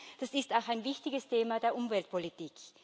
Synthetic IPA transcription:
d̥asɪstaʊxaɪnvɪçtɪɡəstʰeːmadeːɐʔʊmvɛlt̚pʰolitiːk

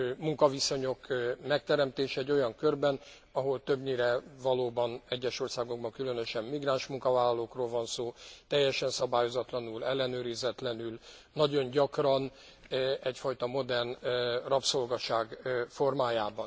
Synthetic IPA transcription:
muŋkɒviso̞ɲo̞kmɛk̚t̪ɛɾɛmt̪eːʃɛɟːo̞jɒŋkørbɛn | ɒɦolt̪øbɲiɾɛvɒloːbɒnɛɟːɛʃo̞rsaːɡo̞ɡ̚bɒŋkylønøʃɛmmiɡraːnʃmuŋkɒvaːlːɒloːkroːlvɒnsoːt̪ɛjːɛʃɛnsɒbaːjo̞zɒt̪lɒnulɛlːɛnøːɾizɛt̪lɛnylnɒɟo̞ɲɟɒkrɒn | ɛcfɒjt̪ɒmo̞d̪ɛrnrɒpso̞lɡɒʃaːɡfo̞rmaːjaːbɒn

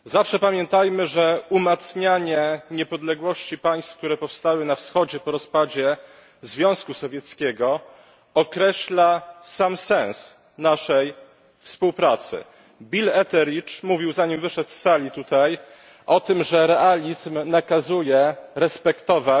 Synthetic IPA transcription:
zafʂɛpamʲjɛnt̪ajmɘʐɛumat̪sɲaɲɛɲɛpɔd̪lɛɡwɔɕt͡ɕipaj̃st̪fk̚t̪uɾɛpɔfst̪awɘnafsxɔd͡ʑɛpɔɾɔspad͡ʑɛ | zvʲjɔ̃w̃skusɔvʲjɛt̪skʲɛɡɔ | ɔkɾɛɕlasamsɛ̃ñs | naʂɛj | fspuwpɾat̪sɘ̰ | bʲilɛt̪ɛɾit͡ʂmuvʲiwzaɲimvɘʂɛt̪sːalʲit̪ut̪aj | ʔɔt̪ɘmʐɛɾɛʔalʲizmnakazujɛɾɛspɛkt̪ɔva

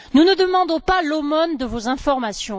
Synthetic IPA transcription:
nunəd̪əmɑ̃d̪ɔ̃palomɔnd̪əvozɛ̃fɔʁmasjɔ̃

